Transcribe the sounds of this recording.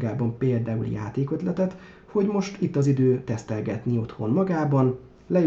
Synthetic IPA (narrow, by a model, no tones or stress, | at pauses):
ɡaːbɒmpeːld̪aːulja̰ːt̪eːkøt̪lɛt̪ɛt̪ | ho̞ɟmo̞ʃt̪it̪ːɒzid̪øːt̪ɛst̪ɛlɡɛt̪nio̞t̪ho̞nmɒɡaːbɒn | lɛ